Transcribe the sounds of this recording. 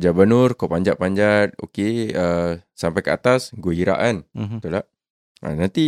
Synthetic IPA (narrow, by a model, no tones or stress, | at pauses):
d͡ʒabənʊrkawpaɲd͡ʒaʔpaɲd͡ʒat̪̚o̰keəsampajkəat̪asɡəɦiɾa̰ʔant̪ula | ʔa̰nant̪i